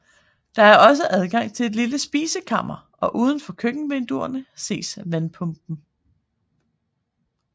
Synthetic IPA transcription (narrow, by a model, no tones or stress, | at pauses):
d̥ɑ̈æɐɒ̽s̬əʔæð̞ˠɡ̥ɑ̈ŋ̰t͡sʰe̝le̝d̥liləsb̥iːsəkʰɑ̈m̰ɐʔɒ̽ʔuːð̞ˠn̩fɒ̽kʰøɡ̥n̩ʋend̥uɐnəse̝̰ːsʋænpʰɔ̽mb̥n̩